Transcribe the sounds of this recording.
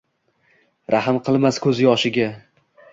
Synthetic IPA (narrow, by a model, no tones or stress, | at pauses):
ɾʔahɪmqʰɨlˠmaskʰɵzjɒʃɪɡʲa